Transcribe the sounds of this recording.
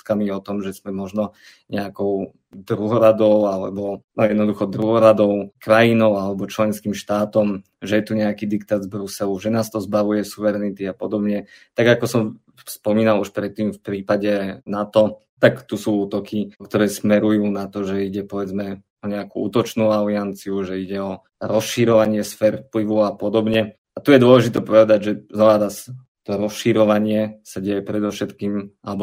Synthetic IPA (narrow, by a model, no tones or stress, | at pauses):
kamiɔt̪ɔmʒɛzmɛmɔʒnɔ | ɲɛakɔʊ | d̪ɾuɦɔɾad̪ɔʊalɛ̰bɔnɔjɛd̪nɔd̪uxɔd̪ɾuɦɔɾad̪ɔʊkɾajinɔʊalɛbɔt͡ʃlɛnskiːmʃt̪aːt̪ɔm | ʒɛjɛt̪uɲɛakiːd̪ikt̪aːd̪zbɾusɛluʒɛnaːst̪ɔzbaʋujɛsuʋɛɾɛnit̪iapɔd̪ɔbɲɛt̪aɡakɔsɔm | spɔmiːnaluʃpɾɛt̪ːiːmfpɾiːpaɟɛnat̪ɔ | t̪akt̪usuːuːt̪ɔkikt̪ɔɾɛːsmɛɾujuːnat̪ɔʒɛiɟɛpɔʋɛd͡zmɛ | ɔɲɛakṵṵːt̪ɔt͡ʃnuːaliant͡siuʒɛiɟɛɔ | ɾɔsʃiɾɔʋaɲɪɛsfɛːɾfpliʋɔʊapɔd̪ɔbɲɛ | at̪ujɛd̪ʊɔlɛʒit̪ɛpɔʋɛd̪aɟʒɛznɔʋaɾas | t̪ɔɾɔsʃiɾɔʋaɲɪɛsaɟɛjɛpɾɛd̪ɔfʃɛt̪kiːmʔa̰lɛbɔ